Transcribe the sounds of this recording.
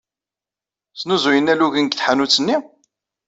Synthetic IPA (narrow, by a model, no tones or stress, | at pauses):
snuzujənːæluʝənɡθħanut͡sːənːi